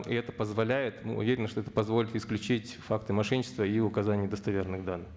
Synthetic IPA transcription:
ḭɛt̪əpəzvɐlʲæjɪt̪nɨ̰ʊ̰vʲeɾʲɪnəʂt̪oɛt̪ə̥pɐzvolʲɪt̪ɪsklʲʉt͡ɕitʲfakt̪ɨmɐʂɛnʲt͡ɕɪst̪vəiʊkɐzanʲɪjəd̪əst̪ɐvʲernɨxd̪anːɨx

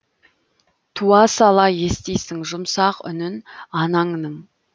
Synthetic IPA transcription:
t̪ʰuɑsɑlˠɑje̞st̪ejsɪŋʒʊmsɑqʏ̰nɪnɑnɑɴnəɴ

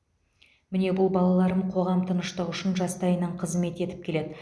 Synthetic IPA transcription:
mɪne̞bʊlˠbɑlˠɑlˠɑɾəmqʰo̞ʁɑmt̪ʰənəʃt̪əʁʏʃɪnʒɑst̪ɑjənɑɴqʰəzme̞t̪e̞t̪ɪ̥p̚kʲʰe̞le̞d̪ɪ

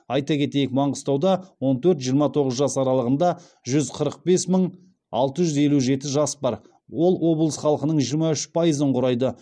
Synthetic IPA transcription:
ɑjt̪ɑkʲʰe̞t̪e̞jɪk̚mɑɴʁəst̪ɑwd̪ɑwo̞nt̪ʰɵɾt̪ʒijəɾmɑt̪ʰo̞ʁəzʒɑsɑɾɑlˠəʁənd̪ɑ | ʒʏzqʰəɾəq̚be̞sməɴ | ɑ̰lˠt̪əʒʏze̞luʒe̞t̪ɪʒɑsbɑɾ | wo̞lˠwo̞blˠəsχɑlˠəqənəɴʒijəɾmɑʏʃpʰajəzəɴqʰʊɾɑjd̪ə

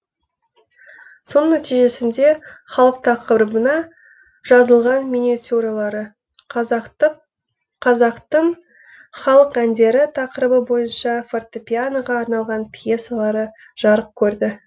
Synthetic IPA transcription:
so̞nnːæt̪ijʒe̞sɪnd̪e̞χɑlˠəq̚t̪ʰɑqəɾəbənɑ | ʒ̥ɑzəlˠʁɑnmonʲet̪uɾalˠɑɾə | ɑɑqt̪əɴ | χɑlˠəqænd̪e̞ɾɪt̪ʰɑqəɾəbəbo̞jənʃɑfort̪opʲianoʁɑːɾnɑlˠʁɑnpʰje̞salˠɑɾə | ʒ̥ɑɾəp̚kʲʰɵɾd̪ɪ

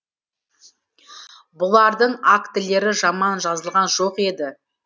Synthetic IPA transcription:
bʊlˠɑɾd̪əɴakt̪ɪle̞ɾɪʒɑmɑnʒɑzəlˠʁɑnʒo̞qe̞d̪ɪ

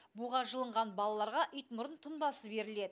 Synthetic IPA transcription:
buʁɑʒəlˠəɴʁɑnbɑlˠɑlˠɑɾʁɑʔʏjt̪mʊɾənt̪ʰʊnbɑsəbe̞ɾɪled̪ɪ

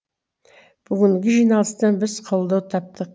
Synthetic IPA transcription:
b̥ʏɡʲɪŋɡʲɪʒijnɑlˠəst̪əbɪzqʰolˠd̪ɑwt̪ʰɑp̚t̪əq

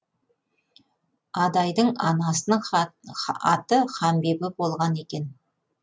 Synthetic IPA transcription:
ɑd̪ɑjd̪əɴɑnɑsənəɴ | ɑt̪əχɑmbe̞bɪbo̞lˠʁɑne̞kʲe̞n

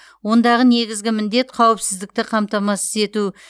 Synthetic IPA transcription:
wo̞nd̪ɑʁəne̞ɡʲɪzɡʲɪmɪnd̪e̞t̪qʰɑwɪpsɪzd̪ɪk̚t̪ɪqʰɑmt̪ɑmɑsəze̞t̪u

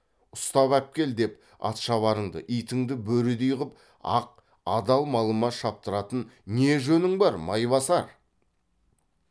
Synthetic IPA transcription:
ʊst̪ɑβæp̚kʲe̞ld̪e̞p | ɑ̰t̪ʃɑβɑɾəɴd̪ə̰ʔijt̪ɪŋd̪ɪbɵɾɪd̪ijʁəp̚ | ɑ̰q̚ | ɑd̪ɑlˠmɑlˠəmɑʃɑp̚t̪əɾɑt̪ənneʒɵnɪŋbɑɾmɑjβɑsɑɾ

